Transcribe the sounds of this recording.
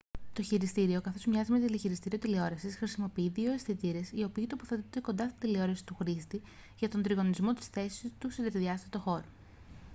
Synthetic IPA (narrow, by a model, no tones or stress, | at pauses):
t̪o̞çiɾist̪iɾio̞kɐθo̞zmɲɐzimet̪iliçiɾist̪iɾiot̪ileo̞ɾɐsisxɾisimo̞piiðio̞esθit̪iɾe̞sio̞piːt̪opoθe̞t̪ond̪e̞ko̞nd̪ɐst̪ind̪ileo̞ɾɐsi̥t̪uxɾist̪i | ʝɐt̪o̞nd̪ɾiɣo̞nizmo̞t̪i̥sθe̞si̥st̪usiðɐt̪iðiɐst̪ɐt̪oxo̞ɾo